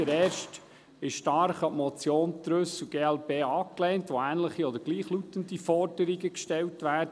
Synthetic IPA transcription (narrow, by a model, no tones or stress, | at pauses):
əɾɛːɾʃt | ɪʃʃtɑɾχɑpmɔt͡sjoːntɾɵsuɡ̥eːɛlpeːɑkleːntʋoæːnləχiɔd̪əɾɡ̥liːχlutənd̥ifɔrdəɾiɡəkʃtɛltʋæːɾd